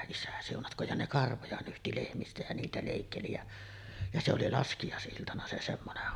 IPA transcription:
isæ siunɑtkˑoːj jɑ ne kɑrʋojɑ nyhti lehmistæ jæ niːtæ leˑikːeli jæ jɑ se oli lɑskijɑˑesʔiltɑnɑ se semːoneh

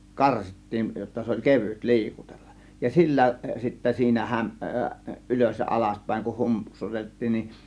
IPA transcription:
kɑrsitːiːn jotːɑ se olʲ keʋyt li̞ikutelːɑʔ jɑ silːæ sitːe siːnæ hæm ʔyløs jɑ ɑlɑspæˑe̝ŋ kuh hum psutetːiːn nin

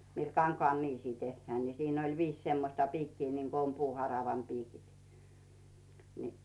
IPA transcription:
mil kɑŋkŏɑˑn niːsiː tehːæː ni siːn oi ʋiːs semːosʲtɑ piːkːiː niŋko om puːhɑrɑʋɑm piːkit ni

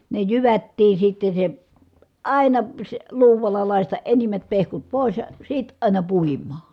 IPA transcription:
ne jyʋætːiː sitːe se ɑˑinɑ sĕ luːʋɑlːɑ lɑˑistɑʔ ʔenimːæt pehkut poˑis jɑ sit ɑˑi̯nɑ puimˑɑː

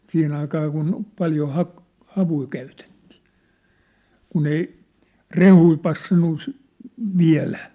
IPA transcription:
siːhen ɑikɑː kun pɑljo hɑk hɑʋui kæytetːi̥ː kun ei rehui pɑsːɑnːu sy ʋiæ̝læ

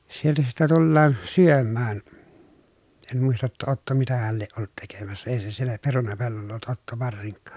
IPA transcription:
sieltæ sitːe tulːɑːn syømːæːn en muistɑ tːɑ otːo mitæhæl lieʔ ʔolːut tekemæsːæ ei se sielːæ perunɑpelːolːɑ olːut otːo ʋɑrsiŋkːɑ̥ː

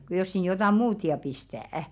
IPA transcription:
ku jos sin jotɑˑ muːt jɑ pistæˑæ̆

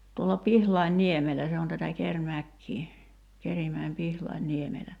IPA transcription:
tuolːɑ pihlɑinːiemelæ se on tætæ kermækːiː kerimæim pihlɑinːiemelæ

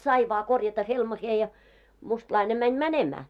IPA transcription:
sɑi ʋɑː korjɑtɑ helmɑheː jɑ mustlɑine mænʲ mænemæː

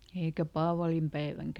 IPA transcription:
eikæ pɑːʋɑlimpæiʋæŋkæ

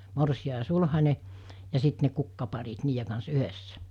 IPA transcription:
morsiɑ jɑ sulhɑnˑe jɑ sit ne kukːɑpɑrit niːje kɑns yhesːæ

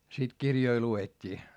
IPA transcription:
sit kirjoi luetʲːiː

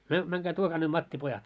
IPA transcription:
myø mæŋkæː tuokɑː ne mɑtːipojɑt

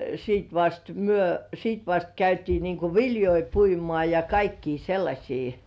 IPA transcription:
siːt ʋɑst myø siːt ʋɑst kæytiː niːŋku ʋiljoi puimŏɑˑ jɑ kɑikːiː selːɑsʲiː

